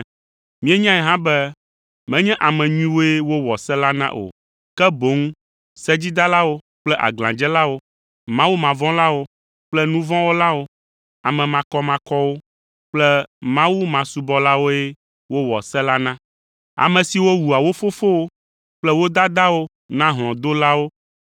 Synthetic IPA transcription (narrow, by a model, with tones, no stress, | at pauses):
mĩ˦ɛ˦ɲã˦ɛ˨ɦã˦bɛ˦ | mɛ̃˦ɲɛ̃˦ʔa˨mɛ̃˨ɲũ˦ĩ˦wo˦ɛ˦wo˦wɔ˨sɛ˦la˦nã̰˦ʔo̰˨ | kɛ˦bo˨˦ŋũ˦ | sɛ˦d͡ʑi˦d̪a˦la˦wo˦ | k͡plɛ˦ʔa̰˨ɡlã˨d͡ʒɛ˦la˦wo˦ | mã˦wu˦mã˨vɔ̃˦la˦wo˦ | k͡plɛ˦nũ˦vɔ̃˦wo˦la˦wo˦ | a˨mɛ̃˨mã˨kɔ˦mã˨kɔ˦wo˦ | k͡plɛ˦mã˦wu˦mã˨su˨bɔ˦la˦wo˦ɛ˦ | wo˦wɔ˨sɛ˦la˦nã˦ | a̰˨mɛ̃˨si˨wo˦wu˨a˨wo˦fo˦fo˦wo˦ | k͡plɛ˦wo˦d̪a˦d̪a˦wo˦ | nã˦ɦl̃ɔ̃˨d̪o˦la˦wo˦